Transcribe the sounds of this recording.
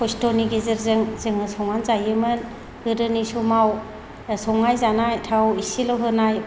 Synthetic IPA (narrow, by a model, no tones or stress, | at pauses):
pʰɔstoniɡezɯɾzɯŋzɯŋɯsɔŋanzajɯmɯn | hɯɾɯnisɔmaw | sɔŋajzanajtʰawisilawɦɯnaj